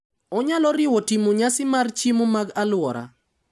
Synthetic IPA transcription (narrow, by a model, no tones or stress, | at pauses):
ɔɲalɔɾɪwɔtimoɲasɪmart͡ʃimomaɡalwɔɾa̰